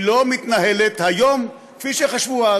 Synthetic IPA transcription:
lo̞mit̪naɦelet̪hajom | kfiʃeχaʃvua

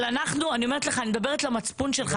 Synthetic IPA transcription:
lanaχnuanio̞me̞ʁet̪leχanimd̪abe̞ʁet̪lamat͡spunʃelχa

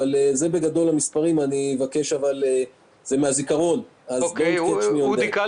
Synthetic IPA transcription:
aleze̞be̞ɡad̪o̞lhamispaʁimanievake̞ʃavale | z̥emeazikaʁo̞n | azɡoket͡ʃniod

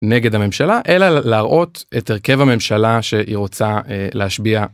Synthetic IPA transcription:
ne̞ɡedhame̞mʃalaʔe̞lalːʁʔo̞teteʁke̞vame̞mʃalaʃeʔiʁo̞t͡saeleaʃbia

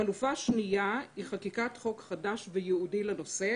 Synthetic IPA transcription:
alufaʃnijaiχakikatχo̞kχadaʃvejeudileno̞se

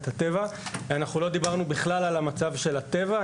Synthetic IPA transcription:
t̪at̪e̞vaveanaχulo̞d̪ibaʁnubiχlalalamat͡savʃe̞lat̪e̞va

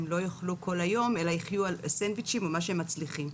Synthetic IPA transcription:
mlo̞joχluko̞lajo̞melaiχjualsenvit͡ʃimomaʃ̬eemat͡sliχim

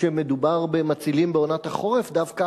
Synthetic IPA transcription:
emed̪ubaʁbemat͡silimbeo̞nat̪haχo̞ʁefdavka

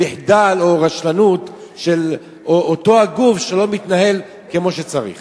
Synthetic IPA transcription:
eħd̪alo̞ʁaʃlanut̪ʃe̞l | ooto̞aɡufʃelo̞mit̪naɦe̞l | kemo̞ʃet͡saʁḭχ

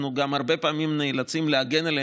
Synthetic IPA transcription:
nuɡamhaʁbe̞paːmimneːlat͡simleaɡenele

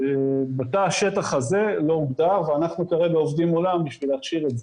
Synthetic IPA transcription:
ebat̪aʃe̞t̪aχaze̞lo̞ubd̪aʁveanaχnukaʁebeovd̪imolambiʃvileaχʃiʁetze

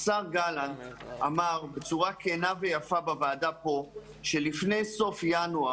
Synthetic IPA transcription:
saʁɡalantamaʁbe̞t͡suʁakʰeːnave̞jafabavaːdapo̞ | ʃe̞lifne̞jso̞fjanua

